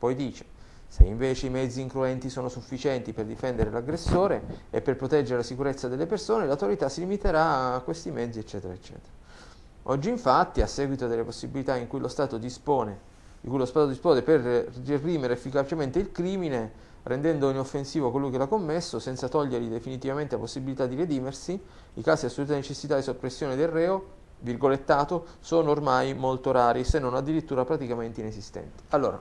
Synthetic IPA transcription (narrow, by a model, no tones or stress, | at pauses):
pɔjd̪iːt͡ʃe̥ | sḛiɱveːt͡ʃeimɛd̪zːiːŋkɾuɛnt̪isoːnosufːit͡ʃɛnt̪iperd̪ifɛnd̪eɾelaɡɾesːoːɾeepːerpɾot̪ɛd͡ʒeɾelasikuɾet̪sːad̪elːepersoːnelawt̪oɾit̪asːilimit̪eɾakwest̪imɛd̪ziet͡ʃːɛːt̪eɾa̰et͡ʃːɛ̰ːt̪eɾa | ɔd͡ʒːiːɱfat̪ːiasːɛːɡwit̪od̪elːeposːibilit̪aiŋkujlost̪aːt̪od̪ispoːne | d̪ikujlost̪aːt̪od̪ispɔːd̪eperririːmeɾeefːikat͡ʃement̪eilkɾiːmine | rʔend̪ɛnd̪oinofːensiːvokolujkelakːomːesːosɛnsat̪ɔʎːerʎid̪efinit̪ivament̪elaposːibilit̪ad̪ːiɾed̪iːmersi | ḭkaːsidasːoluːt̪enet͡ʃesːit̪ad̪isopːɾesːjoːned̪elrːɛːo | virɡolet̪ːaːt̪o | soːnoːrmajmolt̪oɾaːɾisenːonad̪ːiɾit̪ːuːɾapɾat̪ikament̪einesist̪ɛ̰nt̪i̥alːo̰ːɾa̰